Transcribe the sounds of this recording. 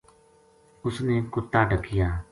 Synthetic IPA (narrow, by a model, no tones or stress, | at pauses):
ʊsneːkʊt̪ːaːɖʱəkɪjaː